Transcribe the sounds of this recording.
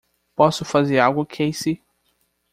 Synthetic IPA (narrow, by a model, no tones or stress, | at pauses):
pɔsʊfazeɾawɡʊkʰejsi